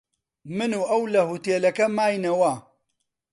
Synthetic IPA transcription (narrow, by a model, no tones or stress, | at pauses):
mɨnuʔɐwlɐhut̪eːlɐkɐmaːjnɐwaː